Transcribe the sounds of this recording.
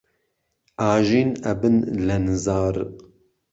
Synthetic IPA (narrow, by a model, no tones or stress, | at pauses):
ʔaːʒiːnɛbɨnlɛnzaːɾ